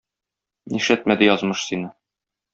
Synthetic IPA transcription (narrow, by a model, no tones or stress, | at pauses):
niʃæt̪̚mæd̪ɘjɒzmɤʃsinɤ